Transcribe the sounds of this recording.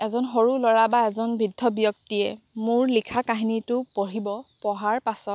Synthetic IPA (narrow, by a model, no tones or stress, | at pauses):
ɛzɔnɦoɹulɔɹabaɛzɔnbɹidʱːɔbijɔk̚tiɛ | mʊɹlikʰakaɦinitʊpoɹibɔpɔɦaɹpasɔt